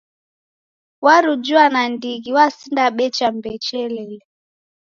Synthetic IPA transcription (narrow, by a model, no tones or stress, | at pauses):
waɾud͡ʒuanandiɣiwasindaɓɛt͡ʃambɛt͡ʃɛlɛlɛ